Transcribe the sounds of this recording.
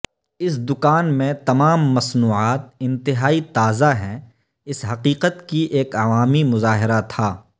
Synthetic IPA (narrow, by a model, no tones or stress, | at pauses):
ɪsd̪ʊkaːnmẽt̪ɐmaːmːɐsnuːʕaːt̪̚ɪ̃nt̪ɪɦaːit̪aːzaɦɛ̃ | ɪsɦɐqiːqət̪kiʔeːkɐʋaːmimʊzaːɦɪɾat̪ʰaː